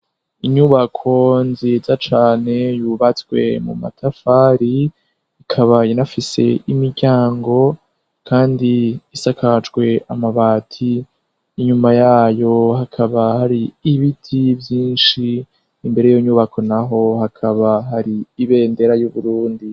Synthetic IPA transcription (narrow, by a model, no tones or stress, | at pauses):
iɲuβakʰo̞nzizat͡ʃaːne̞juβat͡swe̞̰mṵma̰tʰafaɾi | ikʰaβainafise̞̰ʔimiɾɟaːŋɡo̞ | kʰaːndiːsakʰad͡ʒɡwe̞amaβaːtʰiː | ɲumajaːjo̞ɦakʰaβahaɾiiβitʰivjiːnʃiː | mbe̞ɾejoɲuβakʰo̞naɦo̞hakʰaβaɦaɾiiβe̞ːnde̞ɾajuβuɾuːndi